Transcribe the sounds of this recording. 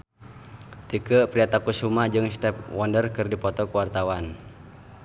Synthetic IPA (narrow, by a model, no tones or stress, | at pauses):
t̪ikəpɾiat̪akusumad͡ʒɨŋst̪ɛp̚wɔndərkɨrdipɔt̪ɔkuwart̪awan